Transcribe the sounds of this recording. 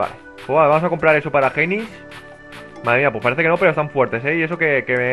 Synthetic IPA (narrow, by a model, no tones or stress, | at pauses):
a̰le | pwezβaβamo̞sako̞mpɾaɾe̞so̞paɾaxe̞nis | maðɾemiapwe̞spaɾe̞θeke̞no̞peɾost̪aɱfwe̞ɾt̪e̞s̬e̞ie̞so̞ke̞keme